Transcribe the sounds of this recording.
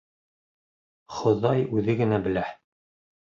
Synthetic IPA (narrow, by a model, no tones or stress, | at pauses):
χŏðɑjʉðɘɡɘ̆næbɘ̆læ